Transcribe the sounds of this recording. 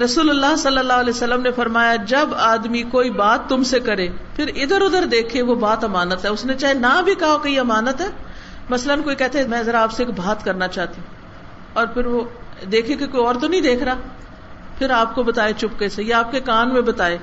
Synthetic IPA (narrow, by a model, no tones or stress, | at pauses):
ɾɐsuːlʊlːaːɦsɐlːəlːaːɦʊɐlɛːsɐlːəmnefɐɾmaːjad͡ʒɐbaːd̪mikoːibaːt̪ːʊmsekɐɾeːpʰɪɾɪd̪əɾʊd̪əɾd̪eːkʰeʋobaːt̪ɐmaːnət̪ɦɛːʊsnet͡ʃaːɦenabʱikaɦaokɐɦiɐmaːnət̪ɦɛː | mɐslənkoːikɛɦt̪amɛ̃ːzɐɾaːpseːkbʱaːt̪kɐɾnat͡ʃaːɦt̪iũ | ɔːɾpʰɪɾʋod̪eːkʰekekoːiɔːɾt̪onɐĩd̪eːkʰɾaː | pʰɪɾaːp̚kobɐt̪aːet͡ʃʊp̚kesejaaːp̚kekaːnmẽbɐt̪aːeː